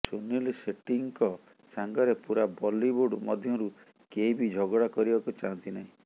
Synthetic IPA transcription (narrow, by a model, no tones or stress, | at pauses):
sonilseʈiŋkɔ | saŋɡɔɾepuɾabɔlibuɖmɔd̪ʱjɔɾu | keibid͡ʒʱɔɡɔɽakɔɾibakut͡ʃaɦɔnt̪inaɦĩ